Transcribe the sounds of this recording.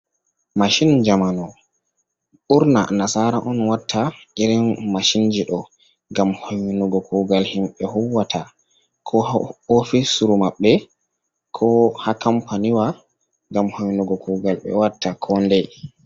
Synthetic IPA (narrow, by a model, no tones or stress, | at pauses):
maʃind͡ʒamanɔ | ɓuɾna̰nasaɾaʔɔnwatʰːaʔɛɾɛnmaʃind͡ʒiɗɔ | ŋɡamhownɔɡɔkʰuɡalhimɓɛhuwːata | kʰɔofisuɾumaɓːɛ | kʰɔhakampaniwa | ŋɡamhownɔɡɔkuɡalɓɛ̰watːakʰɔndɛ